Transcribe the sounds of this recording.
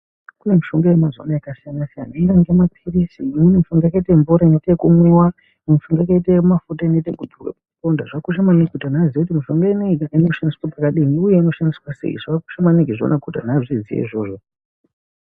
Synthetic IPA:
kune̞miʃo̞ŋɡajemazo̰naakasijanasijanaiɾaŋɡemakʰirisimunemiʃuŋɡajakaiteɱvuɾainetekumwewa | nmifuŋɡajakaitemafutaineitejkudurwa̰paukondaʐakuʃamanikutan̤azijekutimiʃo̞ŋɡainiaino̞ʃandiswapakaɗiniuje̞ino̞ʃandiswasḛḭʐaku̥ʃamanikiʐo̰nakuta̰n̤aʐizijḛḭʐo̞ːʐo

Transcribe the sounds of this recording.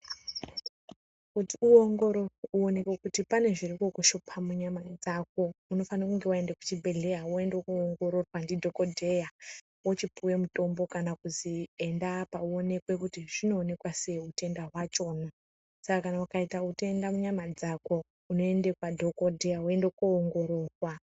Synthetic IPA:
kutiuoŋɡo̞ɾo̞uone̞kwekutipane̞ʐirikokuʃopʰamuɲamad͡zak̚o̞uno̞fanokuŋɡe̞waendeku̥t͡ʃibʱe̞ɮe̞jawoe̞ndokuoŋɡo̞ɾo̞rwandidʱo̞kodʱe̞ja | wot͡ʃipuwe̞muto̞mbo̞kanakuzie̞ndapauo̞ne̞kwe̞kutiʐino̞ːne̞kwase̞ute̞ndaɦwat͡ʃo̞ːna | sakakanaukaitauteendamuɲamad͡zako̞ | uno̞e̞ndekwadʱo̞kodʱe̞jaoe̞ndokoːŋɡo̞ɾo̞ːrwa

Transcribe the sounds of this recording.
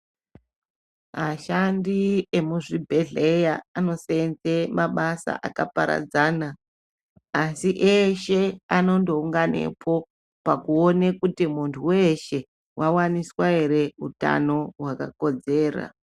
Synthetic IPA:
maʃandie̞muʐibʱe̞ɮejaːno̞send͡zemaɓasa̰ʔakapaɾa̰d͡zaːnaː | siʔeʃe̞ano̞ndouŋɡane̞̰pʰo̞ | pakuonekutimuntʰuweʃe̞ | wawaniswaeɾe̞uta̰no̞ɦwakako̞d͡ze̞ːra̰

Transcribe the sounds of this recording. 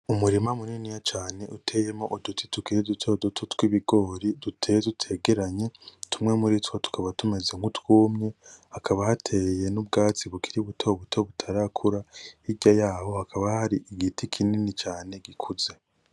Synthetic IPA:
umuɾimamuninijat͡ʃaːne̞ʔutʰe̞jemoʔudutitukiɾidutʰodutʰutwiβiɡo̞ːɾidutʰejedutʰe̞ːɡeɾaɲe̞tumŋe̞muɾitwotu̥kʰaβatume̞zeŋɡutwuːmɲe̞hakʰaβahatʰe̞je̞nub̚ɡaːt͡siβukiɾiβutʰoβutʰoβutʰaɾakʰuɾaiɟajaːho̞hakʰaβahaɾiʔiɡitʰikʰininit͡ʃaːne̞ɡikʰuze̞

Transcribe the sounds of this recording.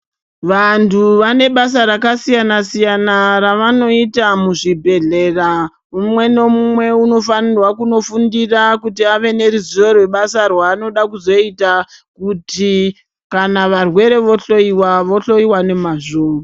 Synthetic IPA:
ʋantʰuʋane̞ɓas̬aɾakasijanasijanaɾaʋano̞itamuʐibʱe̞ɮe̞ra | umwe̞no̞mumwe̞uno̞fanirwakuno̞fundirakutiaʋe̞ne̞ɾuzorwe̞ɓasarwaːno̞ɗakuzo̞itakuti | kanaʋarwe̞ɾe̞ʋo̞ɬo̞iwaʋo̞ɬo̞iwane̞maʐoːmoa

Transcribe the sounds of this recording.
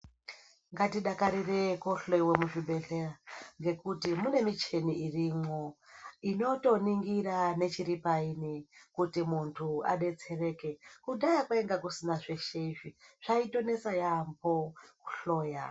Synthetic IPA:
ŋɡatiɗakaɾireko̞ɬeiwemuʐiɓʱe̞ɬeraŋɡe̞kutimune̞mit͡ʃe̞niirimwoino̞to̞niŋɡirane̞t͡ʃiɾipainikutimuntʰua̰ɗe̞t͡se̞re̞ke̞kuɗajakwaeŋɡakusinaʐeʃeviʐ̥aito̞ne̞sajambo̞kuɬo̞ːja

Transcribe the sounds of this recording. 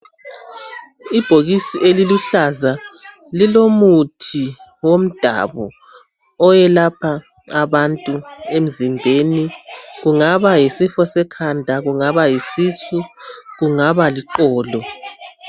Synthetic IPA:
ib̥ʱoɣisiʔeliluɬaza | lilomutʰiwom̩d̥ʱa̰βɔ | ɔjɛlapʰa | aβantʼuem̩zimbʱeniɣuŋaβajisifɔsɛkʰandʱaɣuŋaβajisisuɣuŋaβaliǃɔːlɔ

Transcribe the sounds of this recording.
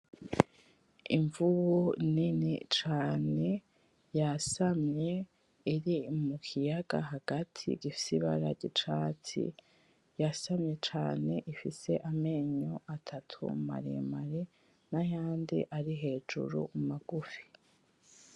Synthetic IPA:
ḭɱvuβuninḭt͡ʃaːne̞ | jasamɲe̞ | iɾimukʰijaɡ̥a̰ɦaɡ̥atʰḭɟ̥ifi̥siβa̰ɾaɟit͡ʃatḭ | jasamɲe̞t͡ʃaːne̞ʔifise̞ʔameːɲoʔatʰatʰṵma̰ɾḭmaɾe | najaːndḭʔaɾiɦe̞ːd͡ʒṵɾṵumaɡ̥ufi̥

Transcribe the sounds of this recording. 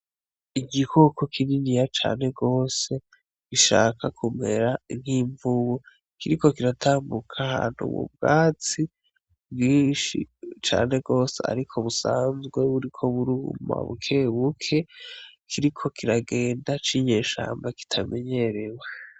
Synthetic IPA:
iɡikʰokokʰininijat͡ʃa̰ːnhe̞ɡo̞ːse̞ | ɡiʃa̰ːkʰakʰume̞̰ɾan̥hiːɱvuwe | kiɾiko̞kiɾatʰaːmbukʰaha̰ːn̥hṵβṵb̚ɡaːt͡si | bɡiːnʃḭt͡ʃa̰ːne̞ɡo̞ːsḛa̰ɾikʰoβusaːnzɡwe̞βuɾikʰo̞βuɾuṵma̰βṵkʰe̞βukʰe̞kʰiɾikʰo̞kʰiɾaɡe̞ːndat͡ʃiɲe̞ːʃa̰ːmbaki̥tʰame̞ɲe̞ɾewa

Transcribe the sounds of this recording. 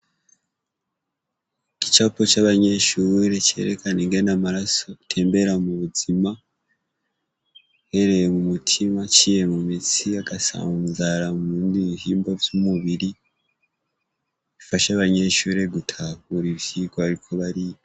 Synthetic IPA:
ki̥t͡ʃapot͡ʃaβaɲe̞ʃuːɾe̞t͡ʃe̞̰ɾekaneŋɡe̞namaɾaso̞tʰe̞ːmbe̞ɾamuβuzima | he̞ɾe̞jemumutʰimat͡ʃije̞mumit͡siaɡasa̰ːzaɾamuːndiβihiːmbo̞vjumuβiɾi | ifaʃaβaɲe̞ʃuːɾe̞ɡutʰakuɾivjikoaɾikʰo̞βaɾijo

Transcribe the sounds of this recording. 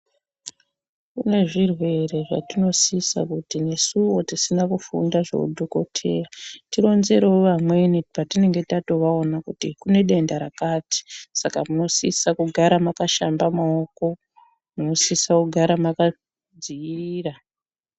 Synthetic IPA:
kune̞ʐirwe̞re̞ʐa̰tino̞sisa̰kutine̞suwo̞tisinakufṵndaʐo̞̰ṵdʱoko̞̰tʰe̞̰ːratiɾo̞nze̞ɾooʋamwenipatine̞ŋɡe̞tato̞ʋao̞nakutikune̞ɗe̞ndaɾakati̥sakamuno̞sisakuɡʱaɾamakaʃambamaoko̞ | muno̞sisakuɡʱaɾamaka | d͡ziiːra

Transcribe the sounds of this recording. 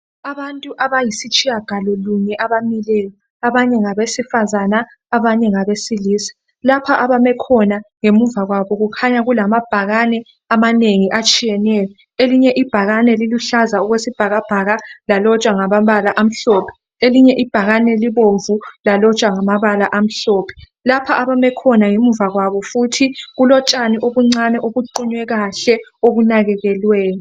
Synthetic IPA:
aβantʼuʔaβajisit͡ʃʼijaɡ̥ʱalɔluɲɛʔaβamilɛjɔ | aβaɲɛŋaβesifazanaː | βaɲɛŋaβesiliːsi̥ | lapʰaʔaβamɛkʰɔnaŋemuɱvaɣwaβɔɣukʰaɲaɣulamab̥ʱaɣanɛ | amaneŋiʔat͡ʃʼijɛnɛjɔ | eliɲɛʔib̥ʱaɣanɛliluɬazauɣwesib̥ʱaɣab̥ʱaɣalalɔt͡ʃʼwaŋaβaβalaʔam̩ɬɔːpʰɛ̥ | eliɲɛʔib̥ʱaɣanɛliβoɱvulalɔt͡ʃʼwaŋamaβalaʔam̩ɬɔːpʰɛ̥ | lapʰaʔaβamɛkʰɔnaŋemuvaɣwaβɔfutʰiɣulɔt͡ʃʼaniʔoβuŋ͡ǀanɛʔoɣuǃiɲwɛɣaɬɛoɣunaɣɛɣɛlwɛːnu

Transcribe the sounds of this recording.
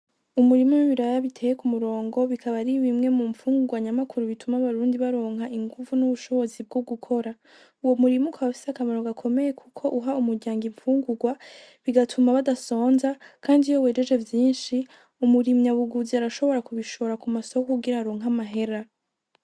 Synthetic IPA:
umuɾimomiβiɾajaβitʰe̞ːjekumuɾo̞ːŋɡo̞βikʰaβaɾiβimŋe̞muɱfuːŋɡuɡwaɲamakuɾuβitʰumaβaɾuːndiβaɾo̞ːŋ̥ɦaiŋɡuvunuβuʃo̞βo̞zib̚ɡoɡukʰo̞ɾa | uwo̞muɾimukʰaβafisakamaɾoɡakʰo̞me̞je̞kʰukʰo̞ʔuɦaumuɾɟaːŋɡiɱfuːŋɡuɡwa | βiɡatʰumaβadaso̞ːnzakʰaːndijowe̞ːɾeʒe̞vjiːnʃi | umuɾimɲaβuɡuziaɾaʃo̞βo̞ɾakuβiʃoɾakumasokkuɡiɾaɾo̞ːŋɦamaɦe̞ɾa

